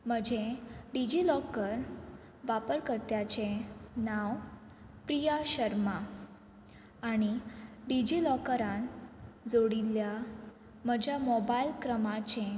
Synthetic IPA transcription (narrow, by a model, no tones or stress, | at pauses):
m̤əd͡ʑʱeɖid͡ʑilɔkəɾ | ʋapəɾkəɾt̪jat͡ɕenaw | pɾijaɕəɾma | aɽ̃iɖid͡ʑilɔkəɾãnd͡zoɽilːja | m̤əd͡ʑʱjamɔbailkɾəmat͡ɕẽ